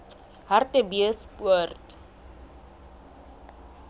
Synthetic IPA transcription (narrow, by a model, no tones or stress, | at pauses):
ɦartəbiəspuərt